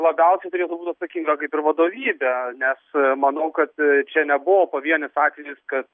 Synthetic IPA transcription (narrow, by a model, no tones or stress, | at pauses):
lˠɐbʲɛʊsʲɛɪt̪ʊɾʲeːt̪ʊbuːt̪ʲɐt̪sɐkʲiːŋɡɐkɐɪpɪɾʋɐd̪oːʋʲiːbʲɛnʲɛsmɐnɐʊkɐt̪t͡ʃʲɛnʲɛbʊʋoːpoʋʲiɛnʲɪsɑːt̪ʲʋʲɛjɪskɐt̪